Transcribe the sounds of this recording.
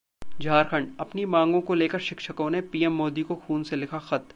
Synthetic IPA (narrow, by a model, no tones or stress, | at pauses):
d͡ʒʱaːɾxʰəɳɖɐpnimãːŋɡõkoleːkəɾʃɪkʃəkõnepiːɛmːoːd̪ikoxuːnselɪkʰaxɐt̪